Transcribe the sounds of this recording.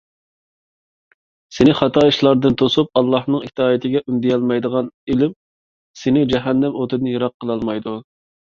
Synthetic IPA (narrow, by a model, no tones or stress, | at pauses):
senɪχɑt̪ʰɑːiʃlˠɑɾd̪ɨnt̪ʰosup̚ɑlˠːɑhnɨŋit̪ʰɑːit̪ʰɪɡʲɛʔymd̪ijɑlˠmɑjd̪əʁɑnɪlɪm | senɪd͡ʒɛɦɛnːɛmot̪ʰɨd̪nɨjɑɾɑqʰːəlˠɑlˠmɑjd̪u